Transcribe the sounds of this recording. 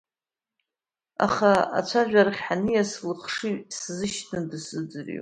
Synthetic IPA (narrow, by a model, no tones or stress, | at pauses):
a̰χaa̰t͡ʃʷʰaʒᶣarχʲħanɨjaslɨχʂɨɥszɨʃʰnɨdɨsɨd͡zɨrḭ